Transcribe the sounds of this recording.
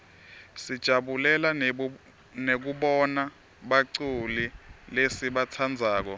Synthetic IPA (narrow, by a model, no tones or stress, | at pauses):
sid̥ʒ̥ʱaɓulɛla | nek̬uɓɔna | ɓaǀulilesiɓat͡sʰand͡zʱaːk̬ɔ